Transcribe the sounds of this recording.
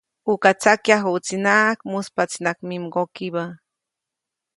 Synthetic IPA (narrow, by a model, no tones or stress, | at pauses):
ukat͡sakjaxut͡sinakmuspat͡sinakmimɢokiba